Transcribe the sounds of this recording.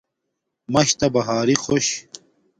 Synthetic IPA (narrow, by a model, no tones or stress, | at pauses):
mɐɕt̪ɐbɐɦaːɾixoɕ